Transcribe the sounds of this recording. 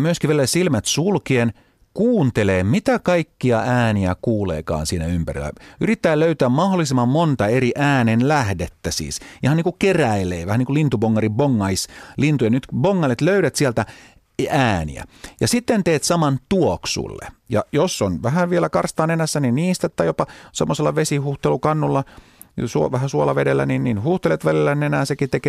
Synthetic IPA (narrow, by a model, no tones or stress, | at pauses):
myøskiʋiælːæsilmæt̪sulkien | kuːnt̪eleːmit̪ækɑikːiɑæːniækuːlḛːkɑ̰ːnsiːnæympærḭlːæ̰yrit̪ːæːløyt̪æːmmɑholːˑisemːɑmmont̪ɑeriʔæːnenlæhdet̪ːæsḭːsihɑniːkukeræileːʋæhæniːkulint̪uboŋːɑriboŋːɑislint̪ujɑnyt̪boŋːɑlet̪løyɾæt̪siælt̪æ | æːnḭæ̰jɑsit̪ːent̪eːt̪sɑmɑnt̪uoksṵlːḛjɑ̰josːonʋæɦæʋielækɑrst̪ɑːnenæsːæninniːst̪æt̪ːɑjopɑsḛmːoselːɑʋesihuht̪elukɑnːulːɑ | suoʋæhæsuolɑʋedelːæ̰ninninhuht̪elet̪ʋælilːænenæːsekit̪eke